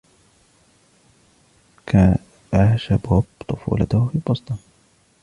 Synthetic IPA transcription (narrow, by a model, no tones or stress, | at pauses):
ka | aʃabaːbt̪ˤʊfṵːlɑ̰t̪ahfiːbɑsˤt̪ˤɑn